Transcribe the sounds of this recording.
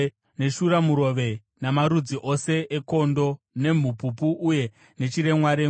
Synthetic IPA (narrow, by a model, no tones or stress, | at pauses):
ne̞ʃuɾamuɾo̞ʋe̞ | namaɾud͡ziʔo̞se̞ʔeko̞ndo̞ | ne̞m̤upupuʔːje̞ | ne̞t͡ʃiɾe̞mwaɾe